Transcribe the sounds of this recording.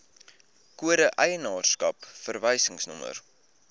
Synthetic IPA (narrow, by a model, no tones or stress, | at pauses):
kuəɾəʔɛjənɑːrskɐpfərvəjsəŋsnɔmə̰r